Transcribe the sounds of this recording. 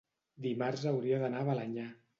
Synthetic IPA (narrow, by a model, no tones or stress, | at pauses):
d̪imaɾzəwɾiəðənaβəlaɲa